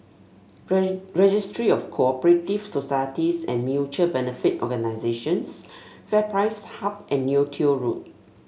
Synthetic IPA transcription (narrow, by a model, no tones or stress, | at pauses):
ɹɛd͡ʒistɹiɔfkʰoɔpəɹetivsosajətisɛ̰̃nmjut͡ʃəbɛnəfitɔ̰ɡənaɪzeʃə̃nsfɛpɹaɪshap̚ʔɛ̃nːjutʰioɹut̚